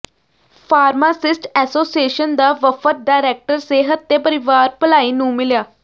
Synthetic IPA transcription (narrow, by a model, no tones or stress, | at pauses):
pʰaːɾmaːsɪsʈɛːsoːsieːʃənd̪aːʋəfʰət̪̚ɖaːɾɛːk̚ʈəɾseːɦət̪̚ːeːpəɾɪʋaːɾpəlaːiːnũːmɪljaː